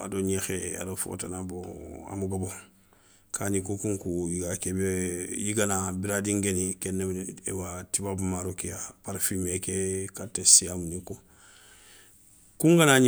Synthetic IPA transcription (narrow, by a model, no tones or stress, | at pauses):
a̰doɲexea̰dofo̰tanaboa̰muɡabo | kʰanikokuŋkujiɡakebjiɡanabiɾadiŋɡenikenːebḛwatibabumaɾokijapaɾfimekekatːesijamuniko | kuŋɡanaɲ